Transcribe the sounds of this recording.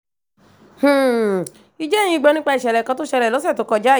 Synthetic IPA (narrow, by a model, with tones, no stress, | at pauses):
h̩˨ | i˧d͡ʒɛ˦˨j̃ĩ˧i˧ɡ͡bɔ˧nĩ˦k͡pa˧i˨ʃɛ˨lɛ˨kã˧to˦ʃɛ˧lɛ˨lɔ˨˦sɛ˦˨to˧˦kɔ˧d͡ʒa˦˨